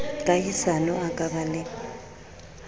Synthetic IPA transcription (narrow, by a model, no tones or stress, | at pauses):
kʼajisanɔakʼaβalɪ